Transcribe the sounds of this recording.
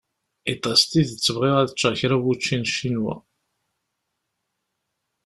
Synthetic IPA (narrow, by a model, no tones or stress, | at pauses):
it̪ˤːɑst̪iðt͡sːəvʁeʁæðət͡ʃːæçɾæwut͡ʃːinʃːinwæ̰